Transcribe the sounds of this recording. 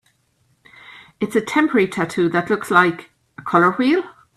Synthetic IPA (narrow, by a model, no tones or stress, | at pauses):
ɪtsətʰɛ̃mpʰəɹitʰatʰuːðətˡlʊkslaɪk | əkʰʌlə˞wiːlˠ